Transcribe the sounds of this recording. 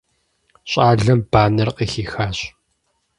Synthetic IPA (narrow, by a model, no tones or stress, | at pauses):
ɕʼaːɮɐmbaːnɐrqiːxiːxaːɕʼ